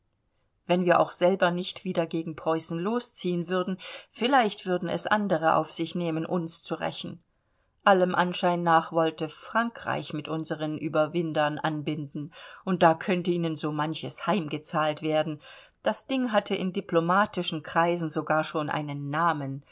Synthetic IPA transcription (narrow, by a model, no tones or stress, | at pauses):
vɛnviːɐʔa̰ʊxz̥ɛlbɐnɪçtv̥iːdɐɡeːɡŋ̩pʁ̥ɔʏsn̩loːst͡siːənvʏɐdn̩fɪlaɪçtv̥ʏɐdn̩ɛ̰sʔandəʁ̞əʔa̰ʊfz̥ɪçneːmənʔʊnst͡suʁɛ̰çn̩ | ʔaləmʔanʃaɪnnaːχv̥ɔltəfʁ̥aŋkʁ̥a̰ɪçmɪtʔʊnzəʁənʔyːbɐvɪndɐnʔa̰nbɪndn̩ʔʊnt̚d̥aːkʰœntəʔiːnənzoːmançəshaɪmɡət͡saːltv̥eːɐdn̩ | d̥asd̥ɪŋɦatʰəʔɪndiplomaːtɪʃn̩kʁ̥aɪzn̩zoɡaːɐʃoːnʔa̰ɪnənːaːmən